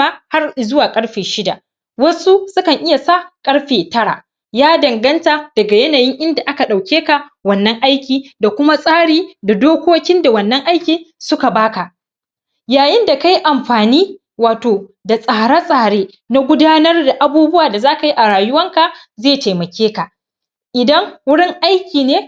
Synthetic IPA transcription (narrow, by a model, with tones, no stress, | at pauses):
a˦ha˦rzʊ˦waː˨kʼɐ˦ɽɸeː˨ʃɪ˦da̰˨ʔ | wɐ˦su˦sʊ˦kɐ˨ŋʔɪ˦ja˨sa˦˨kʼɐ˦ɽɸeː˨tɐ˦ɽa̰˨ | jaː˦dɐ˨ŋɡɐ˦nta˨d̥ɐ˨ɡa˨jɐ˦naː˨jɪ˦ŋʔɪ˦nda˨ʔa˦ka˨ɗa˨wkʲeː˦ka˨wɐ˦nːɐ˦ŋʔa˦jkʲiː˨da˨kʷʊ˦ma˦sʼaː˦ɽiː˨da˨doː˦kʷoː˦kʲɪ˦nda˨wɐ˨nːɐ˦ŋʔa˦jkʲiː˨sʊ˦ka˨baː˦ka˨ʔ | jaː˨jɪ˦nda˨ka˦ji˦ʔa˨mɸaː˨niː˦ | waː˨toː˨da˨sʼaː˨ɽa˦sʼaː˨ɽeː˦ | na˦ɡʷʊ˦daː˦nɐ˦rda˨ʔa˨buː˦bʊ˦waː˨da˨zaː˦ka˨ji˦ʔa˨ɽaː˨jʊ˦wɐ˦ŋka˨ | zeː˦˨ta˨jmɐ˨kʲeː˦ka˨ | ʔɪ˨dɐ˦ŋwʊ˦ɽɪ˦ŋʔa˦jkʲiː˨neː˦